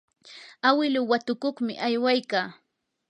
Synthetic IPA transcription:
awɪlʊwat̪ʊkoχmɪ̰ʔajwajkaː

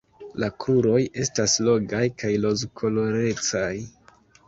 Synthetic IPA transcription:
lakʰuɾo̞je̞staslo̞ɡajkajlo̞zkʰo̞lo̞ɾe̞t͡saj

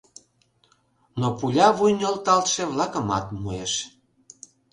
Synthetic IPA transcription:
nopulʲɑβujnʲolt̪ɑlt̪ʃeβlɑkəmɑ̰t̪mueʃ

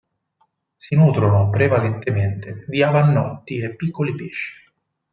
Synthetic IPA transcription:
sinuːt̪ɾonopɾevalent̪ement̪ed̪iavanːɔt̪ːiepːikːolipeːʃːi̥

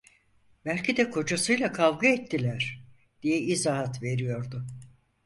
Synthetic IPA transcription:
bælʲcʰid̪ɛkʰo̞d͡ʒasɯjlˠakʰavɡɯɛt̪ʰːilʲæɾ̥ | d̪̥ijɛizaɦat̪ve̞ɾijo̞ɾd̪ʊ

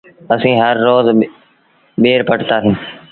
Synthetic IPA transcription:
əsĩːɦəɾːoːz | ɓeːɾpəʈt̪aːɦɪ̃n

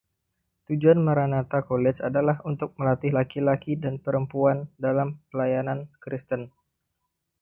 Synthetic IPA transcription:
t̪ud͡ʒuanmaɾanat̪akolɛt͡ʃadalahunt̪ʊk̚məlat̪ɪhɦlakilakidanpəɾəmpuandalampəlajanankɾist̪ən

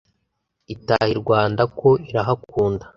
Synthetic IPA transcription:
itahiɾɡwaːndako̞iɾaɦakuːndḁ

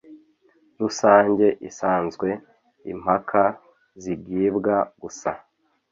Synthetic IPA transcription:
ɾusaːɲɟe̞ʔisaːnzɡwe̞ | ḭm̥hakʰa | ziɡɟibɡaɡ̥usa̰

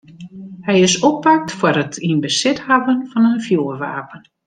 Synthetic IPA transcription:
hɛjɪsɔp̚pak̚tfwərətʰinbəsɪthavənfɑnənfjoːrʋa̰ːpən

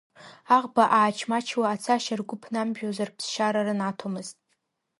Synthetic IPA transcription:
aʁbaʔaːt͡ʃʰmat͡ʃʰwaːt͡sʰaʃarɡʷʊpʰnamʒᶣozarpʰsʃaɾaɾɨnatʰomɨztʼ

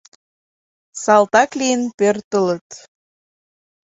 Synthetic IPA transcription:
sɑlt̪ɑklijənpørt̪ələt̪

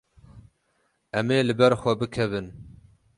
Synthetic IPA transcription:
ɛmeːlɨbɛɾxʷɛbɨkʰɛvɨn

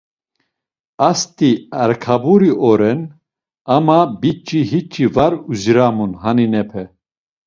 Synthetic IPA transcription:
ast̪ʼiaɾkʰabuɾiɔɾɛn | amabit͡ʃʼiɦit͡ʃʼivaɾuzɾamunhaninɛpʰɛ

